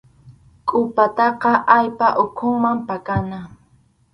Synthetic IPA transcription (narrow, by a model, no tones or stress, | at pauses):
kʼʊpat̪ɑqɑʔajpaʔʊkʰʊŋmampakana